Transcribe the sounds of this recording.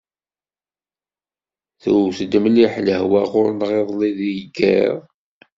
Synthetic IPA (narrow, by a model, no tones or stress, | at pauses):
θuwθd̪əmliħləhwæʁʊɾnʁeðˤliðijɡæ̰ʁ